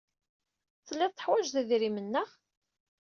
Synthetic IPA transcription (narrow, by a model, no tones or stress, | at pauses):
θəlːɪðˤt̪ːə̥ħwæd͡ʒðəðɾimənːəʁ